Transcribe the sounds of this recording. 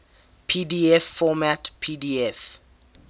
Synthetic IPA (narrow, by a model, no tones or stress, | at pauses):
pʰidiɛfːɔmatpʰidiɛf